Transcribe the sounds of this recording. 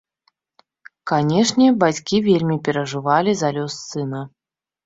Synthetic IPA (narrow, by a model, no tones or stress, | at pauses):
kanʲɛʂnʲɛbat͡sʲkʲivʲelʲmʲipʲɛɾɐʐɨvalʲizalʲɔsːɨnɐ